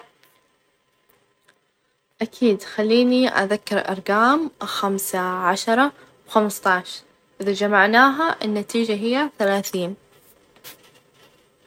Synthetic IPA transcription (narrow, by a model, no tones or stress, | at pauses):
ʔakʰiːd̪xalːiːniʔa̰ðakːɪɾʔɑ̰ɾˤɡaːmxamsaʕaʃɑɾˤɑ | wxamst̪ˤɑʕʃ | ʔɪðad͡ʒamaʕnaːɦaʔɪnːat̪iːd͡ʒaɦɪjːaθalaːθiːn